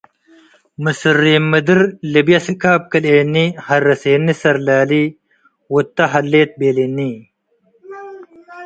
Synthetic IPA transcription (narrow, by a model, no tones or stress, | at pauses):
mɨsɨɾːiːmːəd̪iɾlibjɐsikaːp̚kɐleːnːihɐɾːɐseːnːisɐɾlaːli | wut̪ːɐɦɐlːeːt̪̚beːlini